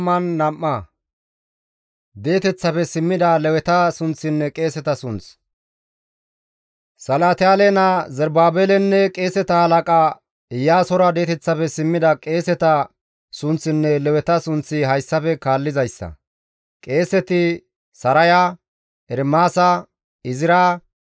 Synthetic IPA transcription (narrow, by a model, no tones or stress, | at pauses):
mːɐnːɐmːɐ | d̪e̞ːt̪ɛt͡sːɐpɛsɪmːɪd̪ɐlɛwɛt̪ɐsʊnt͡sːɪnːɛkʼe̞ːsɛt̪ɐsʊnt͡s | sɐlaːt̪ɪjaːlɛnɐzɛɾbaːbeːlɛnːɛkʼe̞ːsɛt̪ɐhɐlɐkʼa | ɪjːaːsɔɾɐd̪e̞ːt̪ɛt͡sːɐfɛsɪmːɪd̪ɐkʼe̞ːsɛt̪ɐ | sʊnt͡sːɪnːɛlɛwɛt̪ɐsʊnt͡sːɪɦɐjsːɐfɛkaːlːɪzɐjsːɐ̰ | kʼe̞ːsɛt̪ɪ | sɐɾɐja | ɛɾmaːsɐ | ɪzɪɾa